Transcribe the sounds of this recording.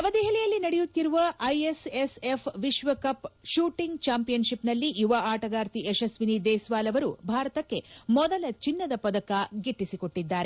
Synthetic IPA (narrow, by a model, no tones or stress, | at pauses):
ɐʋɐd̪ɛɦɛlɛjɐlːinɐɽɛjut̪ːiɾuʋɐʔɐjesesepʰʋiʃʋɐkɐpʃuːʈiŋɡt͡ʃaːmpijɐnʃipnɐlːijuʋaʔaːʈɐɡaːɾt̪iʔeʃɐsʋinid̪ɛːsʋaːlɐʋɐɾubʱaːɾɐt̪ɐkːe̞mɔd̪ɐlɐt͡ʃinːɐd̪ɐpɐd̪ɐkaɡiʈːisikoʈːid̪ːaːɾe